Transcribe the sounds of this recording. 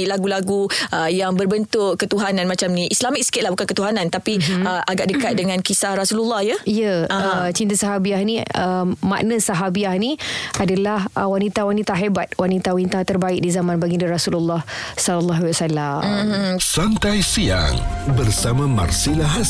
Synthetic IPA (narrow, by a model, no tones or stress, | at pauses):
laɡulaɡuəjaŋbərbənt̪ʊʔkːət̪uɦananmat͡ʃamniʔislamik̚sə̥kɪt̪̚lahbukankət̪uɦanãnt̪apiəʔaɡaʔdəkat̪̚dəŋãnkisahrasululːɑhjaijəət͡ʃint̪asaɦabiahnĩəma̰ʔnəsaɦabiahnĩadalahʔəwanit̪awanit̪aɦebat̪̚wanit̪awanit̪at̪ərbaɪʔ̚dizamãnbaɡindərasululːɑh | sɔlɔlːaɦwasalamsant̪ajsia̰ŋbərsamãma̰rsilaɦ